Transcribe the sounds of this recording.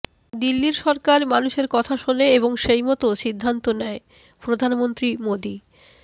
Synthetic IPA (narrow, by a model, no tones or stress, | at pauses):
d̪ilːiɾʃɔɾkaɾmanuʃeɾkɔt̪ʰaʃoneeβoŋʃejmɔt̪oʃid̪ʱːant̪onɛe | pɾod̪ʱanmont̪ɾimod̪i